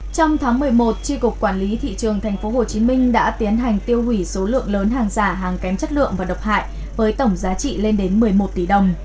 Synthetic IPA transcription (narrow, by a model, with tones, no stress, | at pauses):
t͡ɕɔ˧wŋ͡mt̪ʰaː˨˦ŋmɨ˨˩əjmo˨˩t̚t͡ɕi˧kʊ˨˩k͡p̚kːwaː˧˩nli˨˦t̪ʰḭ˧˨t͡ɕɨ˨˩əŋt̪ʰɛ˨˩ŋ̟fo˨˦ho˨˩t͡ɕi˨˦mï˧ŋ̟ɗa̰ː˧˥t̪i˨˦ənɦa˨˩jŋ̟t̪i˧əwhwi˧˩so˨˦lɨ̰˧˨əŋləː˨˦nɦaː˨˩ŋzaː˧˩ɦaː˨˩ŋkɛ˨˦mt͡ɕə˦˥t̚lɨ̰˧˨əŋvaː˨˩ɗə˨˩wk͡p̚ha̰ː˧˨jʔ | vəː˨˦jt̪ə˧˩wŋ͡mzaː˨˦t͡ɕḭ˧˨le˧nɗe˨˦nmɨ˨˩əjmo˨˩t̚t̪i˧˩ɗə˨˩wŋ͡m